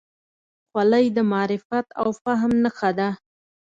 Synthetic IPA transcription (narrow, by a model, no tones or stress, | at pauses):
xwaləjd̪əmɑɾɪfat̪a̰wfaɦmnəxad̪a